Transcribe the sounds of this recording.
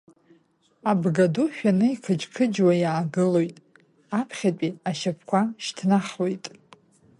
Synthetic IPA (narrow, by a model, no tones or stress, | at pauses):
abɡaduʃᶣanɨikʰɨd͡ʒʼkʰɨd͡ʒwajaːɡɨlojtʼ | apʰχʲat͡pʷʼiaʃapʰkʷaʃtʰnaχlo̞jtʼ